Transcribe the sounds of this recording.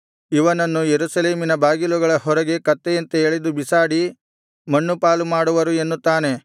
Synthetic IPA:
iʋɐnɐnːujeɾusɐleːminɐbaːɡiluɡɐɭɐɦɔɾɐɡe̞kɐt̪ːejɐnt̪eeɭed̪ubisaːɽi | mɐɳːupaːlumaːɽuʋɐɾue̞nːut̪ːaːne̞

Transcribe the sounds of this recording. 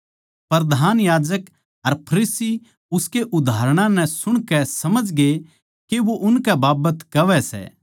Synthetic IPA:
pɾd̪ʱaːnjaːd͡ʒək | ɐɾpʰɐɾiːsi | ʊskeʔʊd̪ʱaːɾɽ̃ãnɛ̃sʊɽ̃kɛsɐməd͡ʒɡe | keʋoʔʊnkɛbaːbət̪kɐʋɛsɛ̰ː

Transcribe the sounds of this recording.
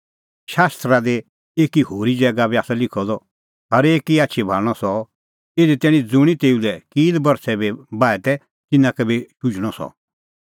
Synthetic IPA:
ʃaːst̪ɾad̪e | eːkihoːɾid͡ʒɛːɡabiaːsalɪkʰɔd̪ɔ | ɦɐɾeːkiaːtːʃʰibʱaːɭɽ̃ɔsɔ | eːd̪ɛt̪ɛːɽ̃ĩd͡zʊɽ̃it̪eːulɛkiːd̪bɐɾsɛbɛbaːɛt̪ɛ | t͡ʃɪnãkɛbiʃʊd͡ʒɽ̃ɔsɔ̰

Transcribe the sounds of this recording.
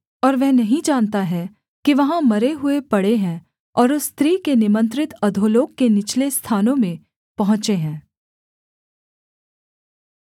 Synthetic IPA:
ɔːɾʋɛɦnɐɦĩd͡ʒaːnt̪aɦɛ | kiʋɐɦãmɐɾeɦʊepɐɽeɦɛ̃ | ɔːɾʊsːt̪ɾiːkenɪmə̃nt̪ɾɪt̪ɐd̪ʱoloːkkːenɪt͡ʃlest̪ʰaːnõmẽ | pɐɦʊ̃t͡ʃeɦɛ̃ː

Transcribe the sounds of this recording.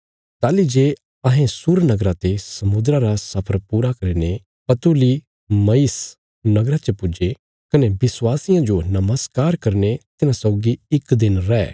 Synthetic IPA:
t̪aːlid͡ʒeː | ɐɦẽsʊɾnɐɡɾãt̪esɐmʊd̪ɾaɾasɐpʰəɾpuːɾakɐɾine | pɐt̪uli | mɐis | nɐɡɾat͡ʃɐpʊd͡ʒe | kɐnebɪswaːsɪjãd͡ʒonɐməskaːɾkɐɾnet̪ɪnãsɔːɡiɪkd̪ɪnɾɛː

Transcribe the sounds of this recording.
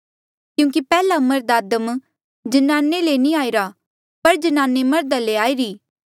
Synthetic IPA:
kjũːŋkipɛːlamɐɾd̪aːd̪əm | d͡ʒənaːnːelenĩaːiɾa | pɐɾd͡ʒənaːnːemɐɾd̪aleaːiɾiː

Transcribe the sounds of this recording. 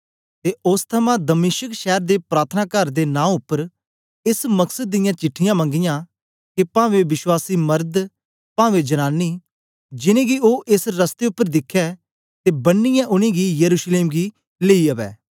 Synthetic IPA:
t̪eːʊst̪ʰəmãːd̪əmɪːʃəkʃɛːɾd̪eːpɾaːt̪ʰənaːkəɾd̪enãːʊpːəɾ | ɪsməksəd̪̚ːɪjãːt͡ʃɪʈʰːɪjãːmə̃ŋɡɪjãː | kepãːʋeʋɪʃwaːsiːməɾd̪ | pãːʋed͡ʒɐñaːnːiː | d͡ʒɪnẽːɡioːʔɪsɾəst̪eʊpːəɾd̪ɪkʰːɛː | t̪eːbənːɪjãʔʊñĩːɡijəɾuːʃleːmɡi | leːiɐʋɛ̰ː

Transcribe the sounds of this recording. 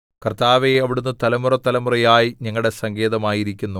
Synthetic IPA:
kɐrt̪aːʋeɐʋiɽunːut̪ɐlɐmurɐt̪ːɐlɐmurɐjaːjiɲɐŋːɐɭɽe̞sɐŋɡe̞ːðɐmaːjiɾikʲːunːu

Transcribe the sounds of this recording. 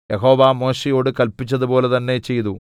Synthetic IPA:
jeɦo̞ːʋaːmo̞ːɕejo̞ːɽɨkɐlpːit͡ɕːɐðupo̞ːle̞t̪ɐnːe̞t͡ɕe̞jt̪u

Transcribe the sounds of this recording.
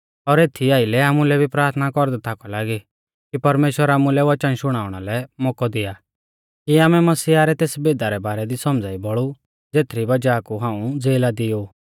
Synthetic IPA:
ɔɾeːt̪ʰiaːɪlɛaːmulɛbʱipɾaːɾt̪ʰnakɔɾd̪at̪ʰakɔlaːɡi | kipɐɾmeːʃwəɾaːmulɛʋɐt͡ʃənʃʊɽ̃aːʊɽ̃alɛmɔːkɔd̪ɪaː | kiaːmɛmɐsiːaɾɛt̪eːsbeːd̪aɾɛbaːɾɛd̪isɔmd͡zaːibɔɭu | d͡zeːt̪ʰɾibɐd͡ʒaːkuɦãːũd͡zeːlad̪ɪjo

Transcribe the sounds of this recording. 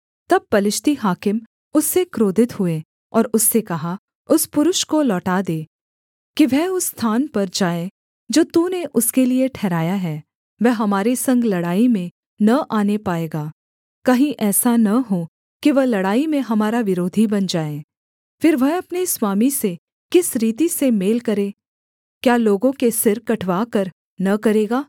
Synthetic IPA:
t̪ɐb̚pɐlɪʃt̪iɦaːkɪm | ʊsːekɾoːd̪ʱɪt̪ɦʊe | ɔːɾʊsːekɐɦa | ʊspʊɾʊʃkolɔːʈaːd̪eː | kiʋɛʊsːt̪ʰaːnpɐɾd͡ʒaːe | d͡ʒoːt̪uneʔʊskelieʈʰɛːɾaːjaɦɛː | ʋɛɦɦɐmaːɾesɐ̃ŋɡlɐɽaːimẽ | nɐʔaːnepaːeːɡaː | kɐɦĩʔɛːsanɐɦo | kiʋɐɦlɐɽaːimẽɦɐmaːɾaʋɪɾoːd̪ʱibɐnd͡ʒaːẽː | fɪɾʋɛɦɐpneswaːmise | kɪsɾiːt̪isemeːlkɐɾẽː | kjaːloːɡõkesɪɾkɐʈʰʋaːkɐɾ | nɐkɐɾeːɡaː

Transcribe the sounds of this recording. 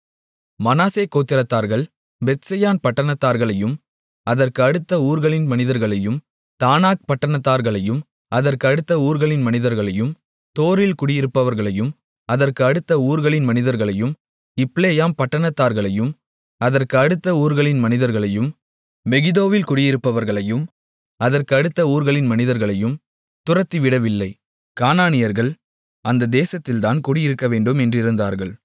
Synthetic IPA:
mɐnaːseːkoːt̪ːɪɾɐt̪ːaːɾɣɐɭ | bɛt̪sɐjaːnpɐʈːɐɳɐt̪ːaːɾɣɐɭɐjɯm | ʔɐðɐrkɯɐɽɯt̪ːɐuːɾɣɐɭɪnmɐnɪðɐɾɣɐɭɐjɯm | t̪aːnaːk̚pɐʈːɐɳɐt̪ːaːɾɣɐɭɐjɯm | ɐðɐrkɯɐɽɯt̪ːɐuːɾɣɐɭɪnmɐnɪðɐɾɣɐɭɐjɯm | t̪oːɾɪlkʊɽɪjɪɾɯpːɐʋɐɾɣɐɭɐjɯm | ʔɐðɐrkɯɐɽɯt̪ːɐuːɾɣɐɭɪnmɐnɪðɐɾɣɐɭɐjɯm | ɪpːleːjaːmpɐʈːɐɳɐt̪ːaːɾɣɐɭɐjɯm | ɐðɐrkɯɐɽɯt̪ːɐuːɾɣɐɭɪnmɐnɪðɐɾɣɐɭɐjɯm | mɛɣɪðoːʋɪlkʊɽɪjɪɾɯpːɐʋɐɾɣɐɭɐjɯm | ɐðɐrkɯɐɽɯt̪ːɐuːɾɣɐɭɪnmɐnɪðɐɾɣɐɭɐjɯm | t̪ʊrɐt̪ːiʋɪɽɐʋɪlːɐɪ | kaːnaːnɪjɐɾɣɐɭ | ʔɐnd̪ɐd̪eːsɐt̪ːɪlt̪aːnkʊɽɪjɪɾɯkːɐʋeːɳɖɯmɛndrɪɾɯnd̪a̰ːɾɣɐɭ

